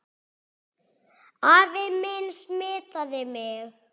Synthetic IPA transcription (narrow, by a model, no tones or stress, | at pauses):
aːvɪmɪnsmɪːt̪aðɪmɪx